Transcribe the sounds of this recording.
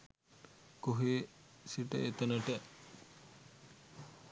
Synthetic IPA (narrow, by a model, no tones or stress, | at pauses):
koɦeːsiʈə̰ʔet̪ɐnəʈə